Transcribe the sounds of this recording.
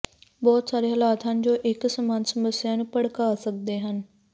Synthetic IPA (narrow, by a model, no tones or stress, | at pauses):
bɔːt̪saːɾeːɦəlaːt̪ʰãːnɪ̆d͡ʑoːʔɪksəmaːnsəməsːɪjaːnɪpəɽkaːsək̚d̪eːɦən